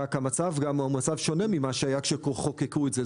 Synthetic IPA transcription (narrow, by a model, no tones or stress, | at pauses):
akhamat͡savɡammat͡savʃo̞ne̞mimaʃeajakʃekoχokekuetze